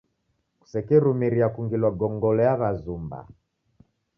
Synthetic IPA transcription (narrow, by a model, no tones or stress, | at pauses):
ku̥sɛkɛɾumiɾiakuŋɡilwaɡɔŋɡɔlɛjaβazumba̰